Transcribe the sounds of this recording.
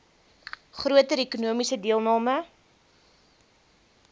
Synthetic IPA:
χruətəɾekunuəmisədiəlˠnɑːmə

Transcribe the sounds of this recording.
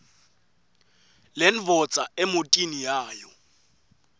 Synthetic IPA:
len̩vɔt͡sʼaemotʼinijaːjɔ

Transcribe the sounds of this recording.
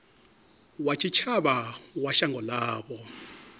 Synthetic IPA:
wat͡ʃʰit͡ʃʰaβawaʃaŋɡʱɔlaːβɔ

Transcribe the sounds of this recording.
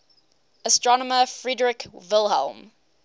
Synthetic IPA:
əstɹ̥ɔnəməfɹidɹɪkvɪlˠɦɛ̰lˠm

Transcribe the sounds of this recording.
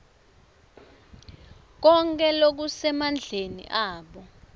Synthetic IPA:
k̬ɔŋk̬ʼɛlok̬usɛmand͡ɮʱenḭʔaːɓɔ

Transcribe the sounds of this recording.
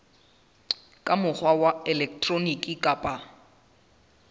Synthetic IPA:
kʼamʊk͡xʰwawaɛlɛk̚tʼronikʼikʼapʼa

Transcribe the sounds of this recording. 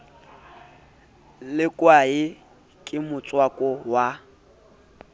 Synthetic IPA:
lɪkʼwaɪ | kʼɪmʊt͡sʼwakʼɔwa

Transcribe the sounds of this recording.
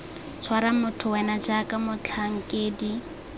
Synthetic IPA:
t͡ʃʰwaɾamʊtʰʊwɛnad͡ʒakʼamʊt͡ɬʰaŋ̩kʼeːdi

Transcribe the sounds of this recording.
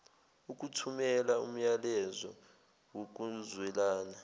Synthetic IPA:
uk̬ʼutʰumɛlaum̩jalɛzɔ | wok̬uzwɛlaːna

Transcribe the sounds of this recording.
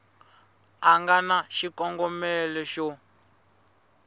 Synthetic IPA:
aŋɡanaʃikɔŋɡɔmɛlɛʃɔ

